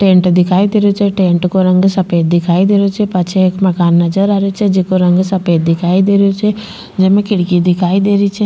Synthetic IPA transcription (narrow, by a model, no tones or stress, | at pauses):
ʈẽːɳʈd̪ɪkʰaːid̪eːɾot͡ʃʰɛʈẽːɳʈkoɾə̃ŋɡsɐpeːt̪̚d̪ɪkʰaːid̪eːɾot͡ʃʰɛpɐt͡ʃʰeeːkmɐkaːnːɐd͡ʒəɾaːɾeot͡ʃʰɛd͡ʒɪkoɾɐ̃ŋɡsɐpeːt̪̚d̪ɪkʰaːid̪eːɾeot͡ʃʰɛ | d͡ʒɛmẽkɪɽkid̪ɪkʰaːid̪eːɾit͡ʃʰɛ